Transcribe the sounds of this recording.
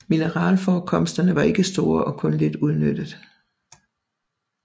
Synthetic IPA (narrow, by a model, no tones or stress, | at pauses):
minəʁɑ̰̈ːlfɒːkʰɒ̽m̰sd̥ɐnəʋɑ̈e̝ɡ̥əsd̥o̝ːɐʔɒ̽kʰɔ̽nle̝d̥uð̞ˠnød̥əðˠ